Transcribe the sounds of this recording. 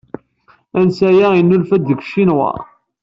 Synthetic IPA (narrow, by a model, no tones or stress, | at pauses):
ænsæjæinːulfæd̪ːəkʷʃinwɑ̰ɾˤ